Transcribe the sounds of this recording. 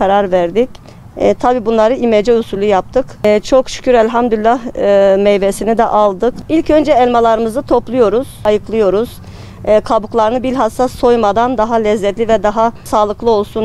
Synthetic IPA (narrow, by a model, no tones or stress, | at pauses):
kʰaɾaɾvæɾd̪icː | t̪ʰabiːbunlˠaɾɯimɛd͡ʒɛusulʲujap̚t̪ʰɯkːt͡ʃʰo̞kʃy̥cʰʲyɾɛlʲɦamd̪ylʲlʲːahmɛjbesinid̪ɛʔalˠd̪ɯkilʲcø̞nd͡ʒɛɛlʲmalˠaɾɯmɯzɯt̪ʰo̞plˠujo̞ɾuz̥ajɯklˠɯjo̞ɾuz̥ː | kʰabuklˠaɾɯnɯbilʲɦasːasːo̞jmad̪and̪aɦalʲɛzːɛt̪lʲivɛd̪aɦasaːlˠɯklˠɯo̞lˠsun